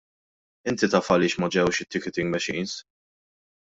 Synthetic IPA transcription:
ɪnt̪it̪ɐːfɐlɪːʃmɐd͡ʒɛwʃɪt̪ːɪkɛt̪ɪŋɡmɛʃiːns

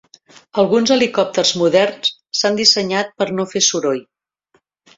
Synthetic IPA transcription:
əlˠɣunzəlikɔp̚t̪ərzmuðɛrnssand̪isəɲat̪̚pəɾnofesuɾoj

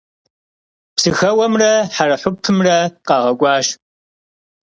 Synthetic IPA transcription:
psɨxɐwɐmrɐħarɐħʊp̚tʰɨmrɐqɑːʁɐɡʷɑːʃ

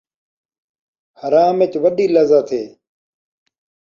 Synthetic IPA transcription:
həɾaːmet͡ʃʋəɗiːləzaːt̪ʰeː

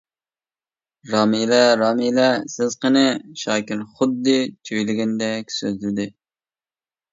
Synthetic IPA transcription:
ɾɑːmilɛɾɑːmilɛsɪzqənɨʃɑːkʲɪɾχʊd̪ːɨt͡ʃʰøjlɪɡʲɛnd̪ɛkʲsøzd̪yɾd̪ɪ

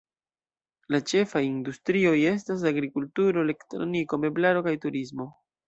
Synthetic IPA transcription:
lat͡ʃe̞fajindustɾio̞je̞s̬tas̬aɡɾikultuɾo̞ele̞ktɾo̞̰nikome̞blaɾo̞kajtuɾismo̞

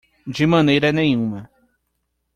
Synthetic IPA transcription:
d͡ʒɪmɐ̃nejɾɐnẽj̃ũmɐ

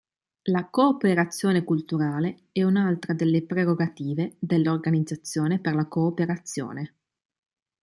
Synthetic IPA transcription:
lakoːpeɾat̪sːjoːnekult̪uɾaːle | ɛunalt̪ɾad̪elːepɾeɾoɡat̪iːved̪elːorɡanid̪zat̪sːjoːneperlakoːpeɾat̪sːjo̰ːne

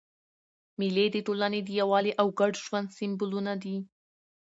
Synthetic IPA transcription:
miled̪əʈolaned̪əjawɑleʔawɡaɖʒwand̪sɪmbʊlunad̪i

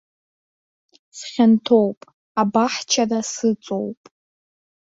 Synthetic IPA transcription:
sχʲantʰowpʼ | abaħt͡ʃʰarasɨt͡sʼowpʼ

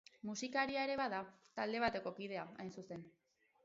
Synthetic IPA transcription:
musikaɾiae̞ɾe̞βaðat̪ald̪e̞β̞at̪e̞ko̞kiðe̞aajnsuse̞n

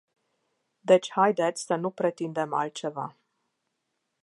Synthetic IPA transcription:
d̪et͡ʃʲhajd̪et̪sʲsənupɾet̪ind̪e̞ma̰lt̪̚t͡ʃeva̰

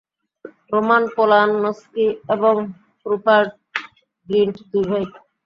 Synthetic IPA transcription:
ɾomanpɔlanːɔskieboŋ | pɾupaɾʈ | ɡiɳʈd̪ubʱajk

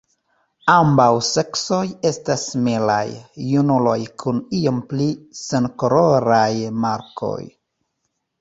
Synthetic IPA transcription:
ambawse̞kso̞je̞stasmela̰jːunulo̞jkʰunio̞mplisenkoɾoɾajmaɾkʰo̞̰j

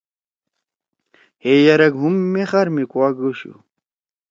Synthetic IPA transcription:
hejɐɾɐɡɦumːeχɐɾmikuaɡuɕṵ

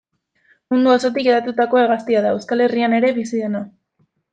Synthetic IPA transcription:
mund̪uoso̞t̪ikeðat̪ut̪ako̞e̞ɣast̪iaðae̞wskale̞riane̞ɾe̞βisiðe̞na

